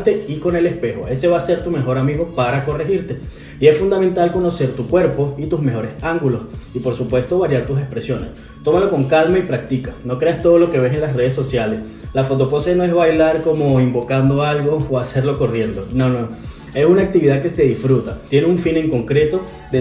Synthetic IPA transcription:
t̪e̞iko̞ne̞le̞spe̞xo̰e̞se̞βaːse̞ɾt̪ume̞xo̞ɾamiɣo̞paɾako̞rexiɾt̪e̞ | ie̞sfund̪amẽ̞nt̪alko̞no̞se̞ɾt̪ukwe̞ɾpo̞it̪uzme̞xo̞ɾesaŋɡulo̞sipo̞ɾsupwe̞st̪o̞βaɾjaɾt̪us̬e̞spɾe̞sjo̞ne̞̰s | t̪o̞maloko̞ŋkalmaipɾak̚t̪ikano̞kɾe̞ast̪o̞ð̞o̞lo̞ke̞β̞e̞se̞nlasre̞ð̞esːo̞sjale̞s | lafo̞t̪̬o̞po̞seno̞e̞zβajlaɾko̞moimbo̞kand̪o̞alɡo̞ːase̞ɾlo̞ko̞rje̞nd̪o̞nono | e̞sunaːk̚t̪iβiðake̞se̞ðisfɾut̪at̪je̞neuɱfine̞ŋko̞ŋkɾe̞t̪o̞ | ðe

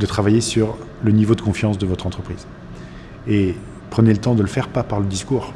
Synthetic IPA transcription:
d̪ət̪χavajesyʁ | lənivod̪əkɔ̃fjɑ̃sd̪əvɔt̪χɑ̃t̪χəpχiz | e | pχənelət̪ɑ̃d̪ələfɛʁpapaʁləd̪iskuːʁ

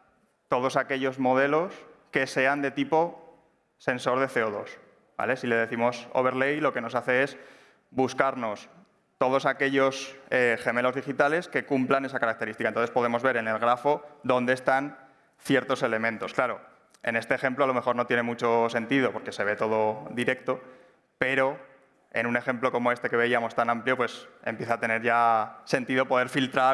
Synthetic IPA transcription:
t̪o̞ð̞o̞sake̞ʎo̞zmo̞ð̞e̞lo̞ske̞se̞and̪et̪ipo̞ | se̞nso̞ɾð̞e̞θe̞oðo̞s | ba̰le̞sile̞ð̞e̞θimo̞soβe̞ɾlejloke̞no̞saθe̞e̞s | buskaɾno̞s | t̪o̞ð̞o̞sake̞ʎo̞seχe̞me̞lo̞zðixit̪ale̞ske̞kumplane̞sakaɾak̚t̪e̞ɾist̪ikaenonθespo̞ðe̞mo̞zβe̞ɾe̞ne̞lɣ̞ɾafo̞ðo̞nd̪eːst̪an | θje̞ɾt̪o̞se̞le̞mẽnt̪o̞sklaɾo̞ | e̞̰ne̞st̪eːxe̞mploalo̞mexo̞ɾno̞t̪je̞ne̞mut͡ʃose̞nt̪iðo̞po̞ɾke̞se̞βe̞t̪o̞ð̞o̞ðiɾe̞k̚t̪o̞ | pe̞ɾo̞ | ḛnune̞xe̞mplo̞ko̞mo̞e̞st̪e̞ke̞βe̞iamo̞st̪anãmpljo̞pwe̞sempje̞θaːt̪e̞ne̞ɾʝase̞nt̪iðopo̞ð̞e̞ɾfilt̪ɾa

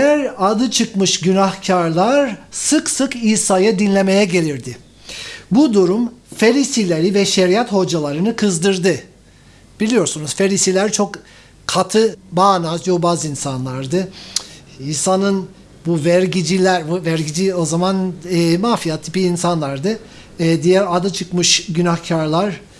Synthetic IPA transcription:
ejæɾad̪ɯt͡ʃʰɯkmɯʃɟynahcʰaɾlˠaɾsɯksɯkiːsajad̪inlʲe̞me̞jɛɟe̞lʲiɾd̪ɪ | bud̪uɾumfeɾisilʲeɾivɛʃeɾijat̪ho̞d͡ʒalˠaɾɯnɯkʰɯzd̪ɯɾd̪ɯ | b̥ilʲijo̞ɾsunuzfeɾisilʲæɾt͡ʃʰo̞k | kʰat̪ʰɯbaːnazjo̞bazinsanlˠaɾd̪ɯ | iːsanɯn | buvæɾɟid͡ʒilʲæɾvæɾɟid͡ʒio̞zamanːmaːfijat̪ʰːipiːnsanlˠaɾd̪ɯ | d̪ijæɾad̪ɯt͡ʃʰɯkmɯʃɟynaxcʰaɾlˠaɾ̥

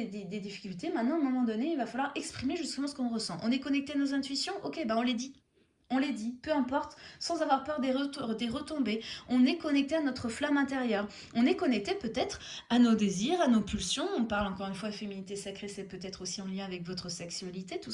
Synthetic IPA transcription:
d̪ed̪ed̪ifi̥kʲylt̪emɛ̃t̪nɑ̃ɛ̃mɔ̃mɑ̃d̪ɔneilvafalwaʁɛkspχimeʒyst̪əmɑ̃sə̥kɔ̃ʁəsɑ̃ʔɔ̰̃nɛkɔnɛk̚t̪eanozɛ̃t̪ɥisjɔ̃ʔokʲebaɔ̃led̪i | ɔ̃led̪ipøɛ̃pɔʁt̪sɑ̃zavwaʁpœʁd̪ed̪eʁət̪ɔ̃beɔ̃nɛkɔnɛk̚t̪eanɔt̪χəflamɛ̃t̪eʁjœːʁ | ɔ̃nɛkɔnɛk̚t̪epøt̪ɛt̪χanod̪eziʁanopylsjɔ̃ɔ̃paʁlɑ̃kɔʁynfwad̪əfeminit̪esakχesɛpøt̪ɛt̪χosiɑ̃ljɛ̃avɛkvɔt̪χəsɛksɥalit̪et̪us

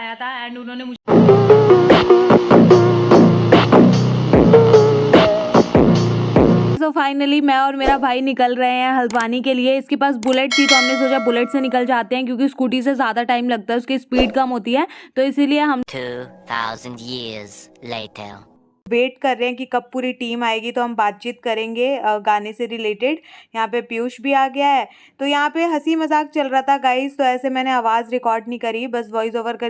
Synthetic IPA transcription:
jat̪ʰaɛ̃ːʊnõːnemʊd͡ʒʱ | sofaːɪnəlimɛ̃ːɔːɾmeːɾabʱaːinɪkəlɾɐɦeɦɛ̃ɦɐlʋaːnikelieɪskepaːs̬bʊleʈ̚t̪ʰit̪ɔɦnlisoːd͡ʒabʊleʈsenɪkəld͡ʒaːt̪eɦɛ̃k̬jõːkiskuːʈis̬ezjaːd̪aʈaːɪmlɐɡ̚t̪aɦɛʊskispiːɖkɐmɦoːt̪iɦɛːt̪oɪsilieɦɐmtʰuθʰa̰ʊzə̃ndjizlḛɪʈʰə̰ | beːʈkɐɾːeɦɛ̃kikɐb̚puːɾiʈiːmaːeːɡit̪oɦɐmbaːt̪̚t͡ʃiːt̪̚kɐɾẽːŋɡeɡaːneseɾɪleːʈeɖjɐɦãpepjuːʃbʱiaːɡɐjaɦɛː | t̪ojɐɦãpeɦɐsimɐzaːk̚t͡ʃɐlɾaɦat̪ʰaɡaːɪzt̪oɛːsemɛːneaːʋaːzɾɪkɔːɾɖnĩkɐɾibɐsʋɔːɪzoːʋəɾkɐ

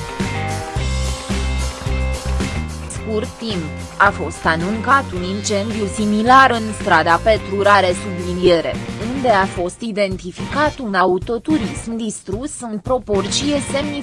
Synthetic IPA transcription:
skurt̪ːimp | afo̞st̪anuŋkat̪unint͡ʃe̞nd̪ijusimilaɾɨnst̪ɾad̪ape̞t̪ɾuɾaɾe̞sublinie̞ɾe̞̰und̪e̞afo̞st̪id̪e̞nt̪ifikat̪unaut̪o̞t̪uɾismd̪ist̪ɾusɨnpɾo̞po̞rt͡ʃije̞se̞mni

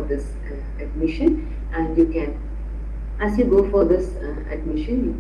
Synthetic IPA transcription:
ɾd̪ɪs | əɖ̚mɪʃə̃n | æ̃ɳɖjukɛ̃n | æzjuːɡoːfɔd̪ɪs | ə̰ɖmɪʃə̃nju

